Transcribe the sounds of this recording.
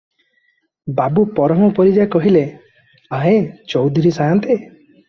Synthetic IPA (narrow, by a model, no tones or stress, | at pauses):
babupɔɾɔmɔpɔɾid͡ʒaekɔɦile | aɦet͡ʃɔwd̪ʱuɾisajant̪e